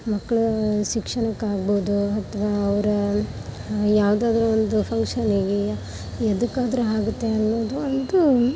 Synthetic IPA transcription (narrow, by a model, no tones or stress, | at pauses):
mɐkːɐɭuʃikʂɐɳɐkːaːɡboːd̪uɐt̪ʰɐʋaːɐʋɐɾɐ | jaːʋd̪aːd̪ɐɾuond̪upʰɐŋkʂɐniɡe | ed̪ukːaːd̪ɐɾuaːɡut̪ːe̞ɐnːoːd̪uɐnd̪u